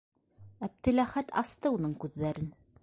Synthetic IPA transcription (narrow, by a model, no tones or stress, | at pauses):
æb̚t̪ɘ̆læχæt̪ʰɑst̪ɤunɤɴkʉðːæɾɘn